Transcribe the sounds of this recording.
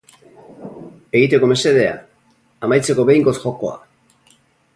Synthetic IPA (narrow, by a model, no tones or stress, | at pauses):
e̞ɣit̪e̞ko̞me̞se̞ðe̞a̰ | amajt͡se̞ko̞βe̞jŋɡo̞sxo̞ko̞a̰